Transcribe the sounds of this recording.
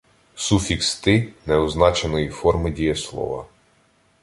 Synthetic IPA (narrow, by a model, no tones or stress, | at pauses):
sufʲikst̪ɪnɛɔznɑt͡ʃenɔjifɔrmɪdʲijɛslˠɔ̰ʋɐ̰